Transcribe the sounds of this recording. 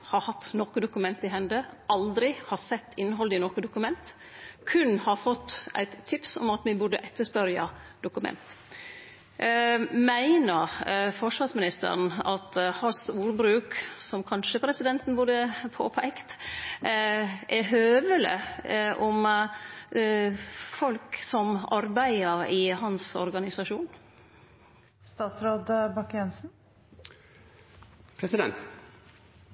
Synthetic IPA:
hɑɾhɑt̪ːnɔkəd̪ʊkʉmɛnt̪ɪɦɛnd̪əɑld̪ɾɪhɑɾsɛt̪ːɪnːɦɔlɪnɔkəd̪ʊkʉmɛnt̪ | kʰʉnhɑɾfɔt̪ːʔæ̰ɪt̪ʰːɪpsɔ̰mɑt̪ʋɪbʊɖəʔɛt̪ːəʂpœɾjɑd̪ʊkʉmɛ̰nt̪ | mæɪnəɾfɔʂʋɑɾsmɪnɪst̪ə̰ɾn̩ɑt̪hɑsuːɾbɾʉːksɔmkʰɑnʂəpʰɾɛsɪd̪ɛnt̪n̩bʊd̪əpʰo̰ːpʰæɪkt̪ | ʔɛɦøːʋələ̰ʔɔm | fɔlksɔmɑɾbæɪəɾɪhɑnsɔ̰ɾɡɑnɪsɑʂuːn | st̪ɑːt̪sɾoːd̪bɑkjɛnsn̩ | pʰɾɛsɪd̪ɛ̰nt̪

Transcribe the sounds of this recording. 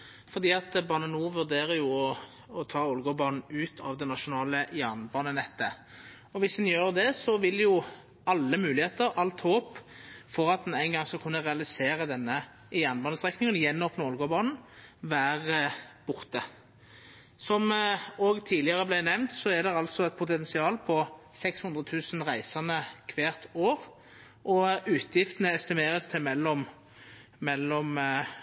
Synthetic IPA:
fɔʁd̪iːɑt̪bɑːnənuːʋʉʁd̪eːʁəjʊɔ | ɔt̪ʰɑːɔlɡɔbɑːnn̩ʉːt̪ʰɑʋd̪ɛnːɑʃʊnɑːləjæʁnbɑːnənɛt̪ːə | ɔʋɪsd̪ɛnjøːʁd̪ɛsɔʋɪlːjʊ | ɑlːəmʉːlɪheːt̪əɾɑlt̪hoːp | fɔʁɑt̪̚d̪næɪnɡɑŋskɑkʰʉnːəʁɛɑlɪseːʁəd̪ɛnːə | jæːʁnbɑːnəst̪ʁɛknɪŋənjɛnːoːpnəɔlɡɔbɑːnn̩ʋæːʁəb̥ʊʁt̪ə | sɔmoːɡt̪ʰiːdlɪɑʁəblæɪnɛʋnt̪sɔɛd̪ɛɑlsɔɛt̪̚pʰʊt̪ɛnsɪɑːlpʰɔsɛkshʉnd̪ʁət̪ʰʉːsn̩ʁæɪsɑnəkʰʋeːʁt̪ʰoːʁ | ʔɔʉːt̪ʰjɪft̪ənəɛst̪ɪmeːʁəst̪ʰɪlmɛlːɔm | mɛlːɔm

